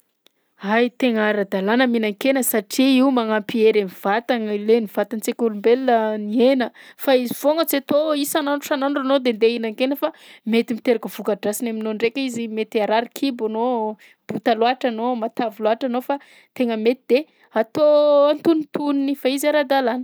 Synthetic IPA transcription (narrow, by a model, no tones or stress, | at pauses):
ajt̪eŋaɾad̪alanəminaŋkenəsaʈ͡ʂiiwmaŋampieɾamiv̥at̪aŋleniv̥at̪ant͡sekuɾumbelːənienəfaiziv̥oŋət͡set̪oisananu̥anaɳɖ͡ʐanod̪end̪einaŋkenəfamet̪imit̪eɾakəv̥ukaɖ͡ʐasinaminoɳɖ͡ʐekʲizimet̪aɾaɾikʰibano | b̥ut̪aloaʈ͡ʂanomat̪aviloaʈ͡ʂanofa | t̪eŋəmet̪id̪̥e | at̪oant̪unit̪uninifaizaɾad̪alanə̥